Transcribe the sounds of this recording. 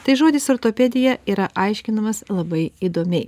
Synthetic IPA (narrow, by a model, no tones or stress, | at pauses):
t̪ɐɪʒoːd̪ʲɪsoɾt̪oːpʲɛd̪ʲɪjɛiːɾɐʔɐɪʃʲkʲɪnɐmɐslˠɐbɐɪiːd̪oːmʲɛɪ